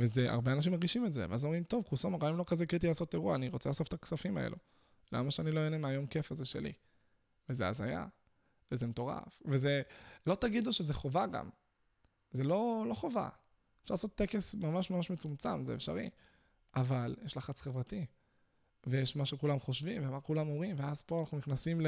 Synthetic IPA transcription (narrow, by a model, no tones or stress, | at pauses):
veze̞ʔa̰ʁbeanaʃimaʁɡiʃimetze̞̰veazomʁimt̪o̞vkusomeʁaimlokazekʁit̪̬ilaːso̞t̪eʁuaːniʁo̞t͡selaːso̞ft̪aksafimaḛlʔu | la̰maʃeaniloenemeajo̞mke̞fazeʃelḭ | vezea̰za̰ja̰ | vezemet̪o̞ʁa̰fve̞ze̞lo̞t̪aɡid̪uʃeze̞χovaɡa̰m | ze̞lo̞lo̞χo̞va̰ | efʃaʁlasot̪ːeke̞smamaʃmamaʃme̞t͡sumt͡sa̰mzeefʃa̰ʁḭ | avaljeʃlaχat͡sχevʁat̪i | vejeʃmaʃekulamχo̞ʃvimvemakulamo̞mʁimveazpo̞anaχnuniχnasiml